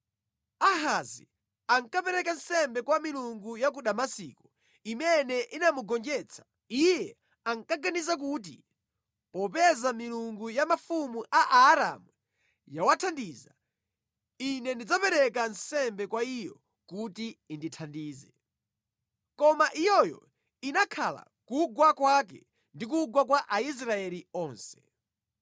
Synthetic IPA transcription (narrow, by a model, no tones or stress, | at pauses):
aɦazi | aŋkapɛɾɛkansɛmbɛkwamiluŋɡujak̬uɗamasḭːkɔ̥ | imɛnɛʔinamuɡɔnd͡ʒɛt͡sʰḁ | ijɛ | aŋkaɡanizak̬uːt̬ḭ | pɔpɛzamiluŋɡujamafumuʔaʔaːɾa̰mwu | jawatʰandiːza | inɛndid͡zapɛɾɛk̬ansɛmbɛkwaijɔ | kutiːnditʰandiːzɛ | kɔmaʔijɔjɔ̰ | inakʰala̰ | kuɡwakwak̬ɛ̰ | ndik̬uɡwak̬waʔais̬ɾaɛliɔːnsɛ̥